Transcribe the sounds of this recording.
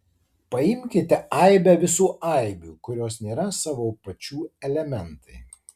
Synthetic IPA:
pɐɪmʲkʲɪt̪ʲɛɐɪbʲɛʋʲɪsuːɐˑɪbʲṵːkʊɾʲoːsnʲeːɾɐsɑːʋoːpɐt͡ʃʲuːɛlʲɛmʲɛnt̪ɐɪ

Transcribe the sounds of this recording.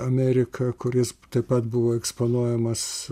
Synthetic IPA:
ɐmʲæːɾʲɪkʰɐkʊɾʲɪst̪ɐɪppɐt̪bʊʋoːɛkspoːnuɔjɛmɐs

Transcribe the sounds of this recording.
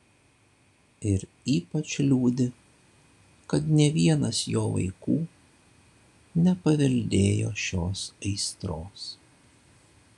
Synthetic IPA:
ɪɾ | iːpɐt͡ʃʲlʲuːd̪ʲɪ | kɐt̪nʲɛʋʲiɛnɐsjoːʋɐ̰ɪkuː | nʲɛpɐʋʲɛlʲd̪ʲeːjo̰ːʃʲoːsɐɪst̪ɾoːs

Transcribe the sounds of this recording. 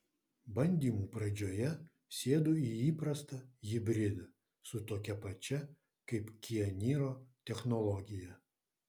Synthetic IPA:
bɐnʲd̪ʲiːmuːpɾɐd͡ʒʲoːjɛ | sʲeːd̪ʊːiiːpɾɐst̪ɐjʲɪbʲɾʲɪlʲʊ | sʊt̪oːkʲɛpɐt͡ʃʲɛ | kɐɪpkʲɪɛnʲiːɾoːt̪ʲɛxnɔlˠɔɡʲɪjɛ

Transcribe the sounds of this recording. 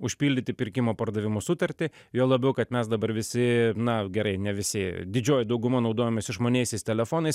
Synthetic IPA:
ʊʃʲpʲiːlʲd̪ʲɪt̪ʲɪpʲɪɾʲkʲɪmoːpɐrd̪ɐʋʲɪmoːsʊt̪ɐɾʲt̪ʲɪ | joːlˠɐbʲɛʊkɐt̪mʲɛsd̪ɐbɐɾʋʲɪsʲɪnɐɡʲɛɾɐɪnʲɛʋʲɪsʲɪd̪ʲɪd͡ʒʲoːjɪd̪ɐʊɡʊmɐnɒʊd̪oːjoːmʲeːsɪʒmoːnʲeːjsʲɛɪst̪ʲɛlʲɛfoːnɐɪs

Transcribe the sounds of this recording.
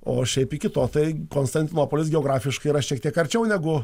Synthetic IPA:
o̰ːʃʲɛɪpikʲɪt̪oːt̪ɐɪkoːnst̪ɐnʲt̪ʲɪnoːpoːlʲɪsɡʲɛoːɡɾɑːfʲɪʃkɐɪɾɐʃʲiɛkt̪ʲiɛkɐɾʲt͡ʃʲɛʊnʲæɡʊ

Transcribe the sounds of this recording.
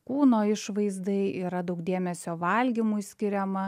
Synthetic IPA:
kuːnoːɪʃʋɐɪzd̪ɐɪiːɾɐd̪ɐʊk̚d̪ʲeɛmʲɛsʲoːʋɐlʲɡʲɪmusʲkʲɪɾʲɛmɐ

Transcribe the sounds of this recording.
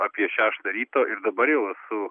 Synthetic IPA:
ɑːpʲiɛʃʲæːʃt̪ɐɾʲiːt̪oːʔɪɾd̪ɐbɐɾjɛʊɛsʊ

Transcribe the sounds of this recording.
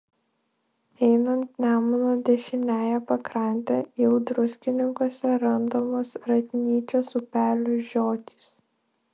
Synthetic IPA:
ɛɪnɐnt̪nʲæːmʊnoːd̪ʲɛʃʲɪnʲæːjɛpɐkɾɐˑnʲt̪ʲɛjɛʊd̪ɾʊsʲkʲɪnʲɪŋkoːsʲɛɾɐnd̪oːmoːsɾɐt̪ʲɪnʲiːt͡ʃʲoːsʊpʲæːlʲʊʒʲoːt̪ʲi̥s

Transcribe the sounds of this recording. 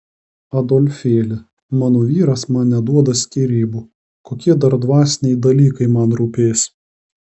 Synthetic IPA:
ɐd̪oːlʲfʲeːlʲɪ | mɑːnoːʋʲiːɾɐsmɐnnʲɛd̪uɔd̪ɐsʲkʲiːɾʲiːbuː | koːkʲiɛd̪ɐɾd̪ʋɑːsʲnʲɛjd̪ɐlʲiːkɐɪmɐnɾuːpʲeːsʲ

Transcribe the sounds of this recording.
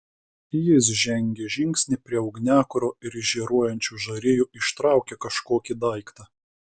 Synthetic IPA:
jɪs̬ʒʲɛŋʲɡʲeʒʲɪŋʲksʲnʲɪˑpʲɾʲiɛɐʊɡnʲæːkʊɾoːɪɾɪʒʲiːɾuɔjɛnʲt͡ʃʲuːʒɐɾʲɪjuːɪʃt̪ɾɑˑʊkʲekɐʃkoːkʲid̪ɐˑɪkt̪ɑː

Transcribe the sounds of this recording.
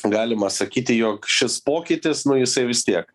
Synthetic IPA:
ɡɑːlʲɪmɐsɐkʲiːt̪ʲɪjoːkʃʲɪspoːkʲɪt̪ʲɪsnʊjɪsɐɪʋʲɪst̪ʲiɛk̚

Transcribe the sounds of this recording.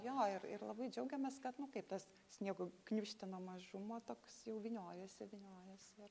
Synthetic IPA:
joːɪrɪ̰rlˠɐbɐɪd͡ʒʲɛʊɡʲɛmʲɛskɐt̪nʊkɐɪp̚t̪ɐs | sʲnʲiɛɡoknʲuʃʲt̪ʲɪnoːmɐʒʊmoːt̪oːksjɛʊʋʲɪnʲoːjɛsɪʋʲɪnʲoːjɛsɪr

